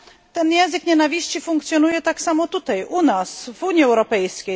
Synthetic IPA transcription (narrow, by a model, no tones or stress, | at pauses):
t̪ɛnjɛ̃ñzɘkɲɛnavʲiɕt͡ɕifuŋkt̪sʲjɔnujɛt̪aksamɔt̪ut̪ajʔunasvuɲjiɛwɾɔpɛjskʲej